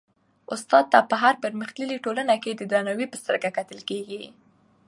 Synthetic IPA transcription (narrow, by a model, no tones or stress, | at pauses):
ʊst̪ɑd̪̚t̪apəɦaɾpəɾməxt̪liliʈolənaked̪əd̪ɾanawipəst̪əɾkakat̪əlkeɡi